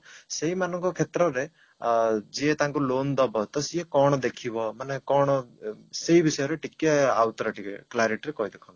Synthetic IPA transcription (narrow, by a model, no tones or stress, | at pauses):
seɦimanɔŋkɔkʰet̪ɾɔɾe | d͡ʒiet̪aŋkulond̪ɔbɔt̪ɔsiekɔɽ̃ɔd̪ekʰibɔmanekɔɽ̃ɔseɦibisɔjɔɾeʈikːeawt̪ɔɾaʈikeklajɾeʈɾekɔɦid̪ekʰɔb